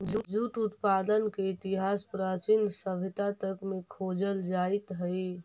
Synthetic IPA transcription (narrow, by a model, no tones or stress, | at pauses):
d͡ʒud͡ʒuʈut̪pad̪ənkeit̪iɦaspɾat͡ʃinsəbʱit̪at̪əkmekʰod͡ʒəld͡ʒait̪ɦəɪ